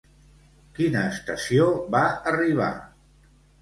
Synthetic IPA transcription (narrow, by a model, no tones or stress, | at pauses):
kinəːst̪əsioβaəriβ̞a̰